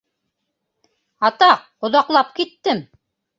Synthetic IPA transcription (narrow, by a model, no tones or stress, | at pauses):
ɑt̪ɑq | ŏðɑqlˠɑp̚kit̪ːɘm